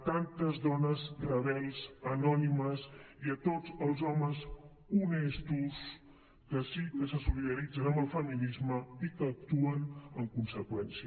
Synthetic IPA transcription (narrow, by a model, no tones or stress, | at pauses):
t̪ant̪əzðɔnəztɾəβɛlˠzənɔniməsiət̪od͡zəlˠzɔməz | unɛst̪us | kəsikəsəsuliðəɾid͡zənəmbəlˠfəminizməikəːk̚t̪uənəŋkunsəkwɛnsiə